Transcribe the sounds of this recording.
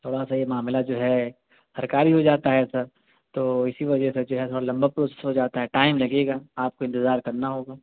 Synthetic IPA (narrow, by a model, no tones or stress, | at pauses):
t̪ʰoːɽasajemaːmlad͡ʒoːɦɛ | sɐɾkaːɾiɦod͡ʒaːt̪aɦɛsɐɾ | t̪oːɪsiʋɐd͡ʒɛsed͡ʒoːɦɛt̪ʰoːɽalɐ̃mbapɾoːsɛ̥sɦod͡ʒaːt̪aɦɛʈaːɪmlɐɡeːɡaːaːp̚koɪ̃nt̪ɪzaːɾkɐɾnaɦoːɡaː